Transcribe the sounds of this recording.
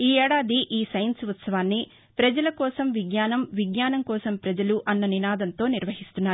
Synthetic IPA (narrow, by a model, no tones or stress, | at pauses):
iːɛːɽaːd̪iʔiːsɐjɐnsʋɐt̪sɐʋaːnːi | pɾɐd͡ʒɐlɐkɔːsɐmʋiɡɲaːnɐmʋiɡɲaːnɐmkɔːsɐmpɾɐd͡ʒɐluʔɐnːɐninaːd̪ɐnt̪o̞ːniɾʋɐɦist̪unːaːɾu